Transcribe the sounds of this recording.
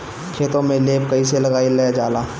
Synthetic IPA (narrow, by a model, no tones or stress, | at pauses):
kʰeːt̪õmẽleːp̚kɐiselɐɡaːilɐad͡ʒaːlaː